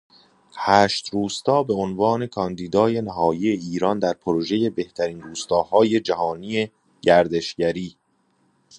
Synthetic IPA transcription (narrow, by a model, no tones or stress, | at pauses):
hæːʃt̪ɾuːst̪ɒːbe̞onvɒːne̞kʰɒnd̪iːd̪ɒːje̞næɦɒːjieiːɾɒːnd̪æɾpʰoɾoʒe̞je̞be̞ht̪ʰæɾiːnruːst̪ɒːɦɒːje̞d͡ʒæhɒːniːe̞ | ɟæɾd̪e̞ʃɟæɾiː